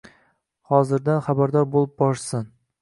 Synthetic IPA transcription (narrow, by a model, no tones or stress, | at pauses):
hɒzɪɾd̪anχabaɾd̪ɒɾbolˠɪp̚bɒɾsɪn